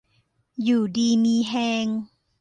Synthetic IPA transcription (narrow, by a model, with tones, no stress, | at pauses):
juː˨˩diː˧miː˧ɦɛː˧ŋ